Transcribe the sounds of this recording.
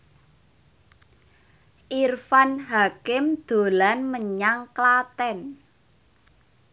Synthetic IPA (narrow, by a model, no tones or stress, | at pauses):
ʔirfanɦakɪmd̪̥o̤lanməɲaŋklat̪ɛn